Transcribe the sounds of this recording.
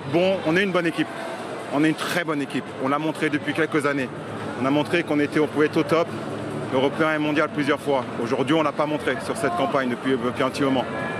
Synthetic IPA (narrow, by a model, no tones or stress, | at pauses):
bɔ̃ɔ̃nɛynbɔnekʲip | ɔ̃nɛynt̪χɛbɔnekʲipɔ̃lamɔ̃t̪χed̪əpɥikʲɛlkəzane | ɔ̃namɔ̃t̪χekɔ̃net̪ɛɔ̃puvɛɛt̪χot̪ɔp | øʁɔpeɛ̃mɔ̃d̪jalplyzjœʁfwaoʒuʁd̪ɥiɔ̃lapamɔ̃t̪χesyʁsɛt̪̚kɑ̃paɲd̪əpɥid̪əpɥiɛ̃pt̪imɔmɑ̃